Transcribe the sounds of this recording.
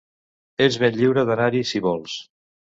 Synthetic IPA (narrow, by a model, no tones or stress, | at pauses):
ezβenʎiwɾəðanaɾisiβɔlˠs